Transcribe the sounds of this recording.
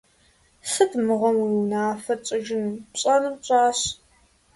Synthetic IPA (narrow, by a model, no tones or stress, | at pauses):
sɨtmɨʁɐmwiwnaːfɐt͡ɕʼɪʒɪnpɕʼɐnɨmɕʷʼɑːɕ